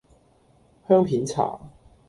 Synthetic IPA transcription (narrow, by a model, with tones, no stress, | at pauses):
hœː˥ŋpʰiː˨˥nt͡sʰa̰ː˨˩